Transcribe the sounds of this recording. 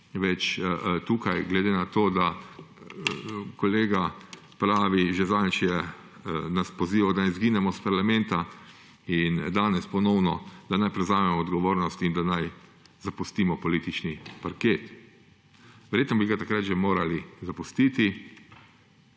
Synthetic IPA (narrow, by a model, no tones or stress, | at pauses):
ʋɛt͡ʃt̪uːkajɡlɛd̪enat̪oːd̪a | kɔleːɡa | pɾaːʋiʒɛzant͡ʃjɛ | naspɔziːʋad̪anɪzɡiːnɛmɔspaɾlamɛnt̪a | ind̪aːnɛspɔnɔwnɔd̪anajpɾɛzaːmɛmɔːd̪ɡɔʋoːɾnɔst̪ind̪anaj | zapust̪iːmɔpɔliːt̪it͡ʃnipaɾkeːt̪ | ʋɛɾjeːt̪nɔbiɡat̪akɾat̪ʒɛmoːɾalizapust̪iːt̪i